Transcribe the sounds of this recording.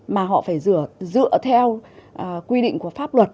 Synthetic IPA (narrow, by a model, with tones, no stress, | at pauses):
maː˨˩ɦɔ̰˧˨faː˧˩jzɨ˧˩əzɨ̰˧˨ət̪ʰɛ˧wʔkwi˧ɗḭ̈˧˨ŋ̟ku˧˩əfaː˦˥p̚lwə˨˩t̚